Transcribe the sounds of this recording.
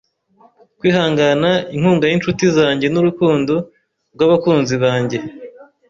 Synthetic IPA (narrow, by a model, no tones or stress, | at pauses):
kwiːhaːŋɡanaiŋhuːŋɡajinʃutizaːɲɟe̞nuɾukuːndo | ɾɡwaːβakuːnziβaːɲɟe̞